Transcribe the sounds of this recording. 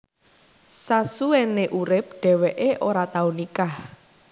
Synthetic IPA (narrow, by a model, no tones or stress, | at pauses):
sasueneʔuɾɪp̚ɖ̥ɛ̤wɛʔeʔoɾat̪aunikah